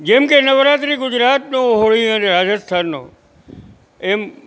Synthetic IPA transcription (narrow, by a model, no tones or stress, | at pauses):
d͡ʒeːmkenəʋɾaːt̪̬ɾiɡʊd͡ʑɾaːt̪̚nõɦoɭiəneɾaːd͡ʒəst̪ʰaːnːõ̰ː | eːm